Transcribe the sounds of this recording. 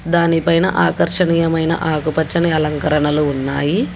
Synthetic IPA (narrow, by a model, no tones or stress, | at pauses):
d̪aːnipɐjnɐʔaːkɐɾʂɐɳiːjɐmɐjnɐ̰ʔaːkupɐt͡ʃːɐniɐlɐŋkɐɾɐɳɐluːnːaːji